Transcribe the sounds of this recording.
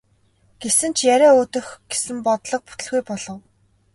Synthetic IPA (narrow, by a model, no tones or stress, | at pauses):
ɡ̥esɘ̆nt͡ɕʰjæɾʲæːʊːt̪ɵ̆xɡ̥esɘ̆mpɔt̪ɮɞ̆q̚pu̥t̪ɵ̆ɮɣujpɔɮɞ̆w